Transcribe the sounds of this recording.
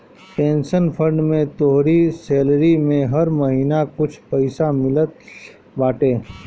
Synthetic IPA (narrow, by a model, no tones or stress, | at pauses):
ʈẽːnʃənpʰə̃ɳɖmẽt̪oɦɾiseːlɾimẽɦɐɾməɦiːnakʊt͡ʃʰpɐɪsamɪlət̪̚ | baːʈẽː